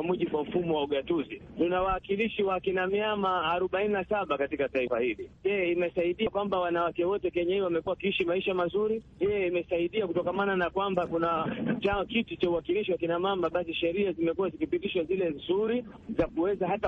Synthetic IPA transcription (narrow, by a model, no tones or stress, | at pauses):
amuʄiɓuwam̩fumɔwauɠatuzitunawaːkiliʃiwaːkinamiamaːɾɔɓaininasaɓakatikataifahilijɛjɛimɛsaiɗijakwambawanawakɛwɔtɛkɛɲaiwamɛkuwawakiiʃimaiʃamazuɾijɛjɛimɛsaiɗiakutɔkamananakwambakunat͡ʃaɔkitut͡ʃauhakiliʃiwakinamambaɓasiʃɛɾiazimɛkuwazikipitiʃwazilɛzuɾi | zakuwɛzahata